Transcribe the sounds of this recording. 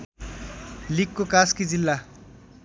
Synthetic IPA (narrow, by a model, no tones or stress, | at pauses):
likːokaskid͡zilːa